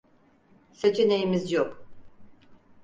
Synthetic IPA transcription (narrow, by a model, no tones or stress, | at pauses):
set͡ʃʰene̞jimizjok